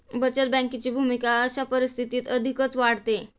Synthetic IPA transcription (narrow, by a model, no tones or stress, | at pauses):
bət͡ɕət̪̚bɛ̃ŋkit͡ɕiːbʱumikaəɕapəɾist̪ʰit̪iːt̪əd̪ʱikət͡sʋaɽ̤t̪e